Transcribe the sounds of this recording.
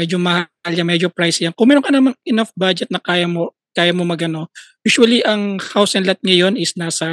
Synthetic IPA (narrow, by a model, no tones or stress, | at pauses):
mɛd͡ʒomɐhaljaŋmɛd͡ʒopɾajsjankʊŋmɛːɾoŋkɐnɐmaŋʔɪnafbad͡ʒɛt̪̚nɐkaːjɐmo | kaːjɐmomɐɡʔɐno̞juːʃuɐliʔɐŋhawsɛnlat̪̚ŋɐjo̞nɪsnaːsɐ